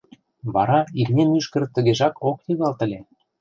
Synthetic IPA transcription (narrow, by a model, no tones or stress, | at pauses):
βɑɾɑirnʲemyʃkə̆ɾ̆t̪ːə̆ɣeʒɑkoknʲiɣɑlt̪ə̆lʲe